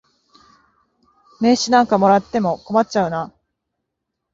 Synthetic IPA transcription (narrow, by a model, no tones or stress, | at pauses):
me̞ːɕinãŋkamo̞ɾat̪ːe̞mo̞ko̞mat͡ɕt͡ɕaɯ̟na